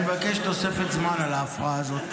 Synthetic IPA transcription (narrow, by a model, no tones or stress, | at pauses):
evakeʃt̪osefet̪zmanalaːfʁaːzot̪